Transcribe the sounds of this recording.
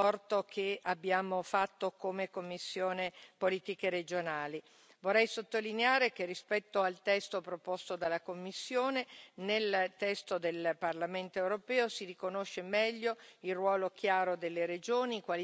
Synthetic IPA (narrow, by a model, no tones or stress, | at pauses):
ɔrt̪okʰeabːjaːmofat̪ːokomekomːisːjoːnepoliːt̪ikeɾed͡ʒonaːli | vorːɛjsot̪ːolineaːɾek̟erːispɛt̪ːoalt̪ɛst̪opɾopost̪od̪alːakomːisːjoːnenelt̪ɛst̪od̪elparlament̪oewɾopɛːosirikonoʃːemɛʎːoilrwɔːlok̟jaːɾod̪elːeɾed͡ʒoːnikwal